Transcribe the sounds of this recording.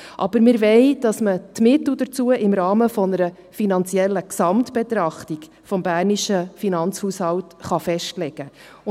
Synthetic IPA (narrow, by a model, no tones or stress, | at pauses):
ʔɑb̥əɾmɪɾvɛɪd̥ɑsmət̪mɪtl̩dəɾt͡suəʔɪmɾɑːməfɔnəɾə | finɑnt͡sijɛlːəksɑmtb̥et̪ɾɑχtik | fɔmbæːrniʃəfinɑnt͡shuːshɑltχɑfɛʃtlɛɡ̥ə